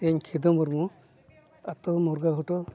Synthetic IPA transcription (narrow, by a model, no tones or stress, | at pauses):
eɲkʰid̪ɔmɔɾmu | at̪ɔmɔɾɡaɦɔʈɔ